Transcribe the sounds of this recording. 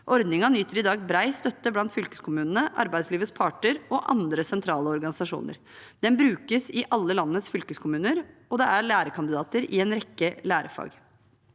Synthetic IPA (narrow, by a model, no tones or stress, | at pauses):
ʔɔɾd̪nɪŋɑnyːt̪əɾɪd̪ɑːɡbɾæɪst̪œt̪ːəblɑnt̪fʏlkəskʰʊmʉːnənəʔɑ̰ɾbæɪd̪sliːʋəspʰɑʈəɾɔʔɑ̰nd̪ɾəsɛnt̪ʰɾɑːləɔɾɡɑnɪsɑʂṵːnə̰ɾ | d̪̥ɛnbɾʉːkəsɪʔɑlːəlɑnːəsfʏlkəskʰʊmʉːnəɾɔd̪ɛæɭæːɾəkʰɑnd̪ɪd̪ɑːt̪əɾɪ̰ɛnɾɛkːəlæːɾəfɑ̰ːɡ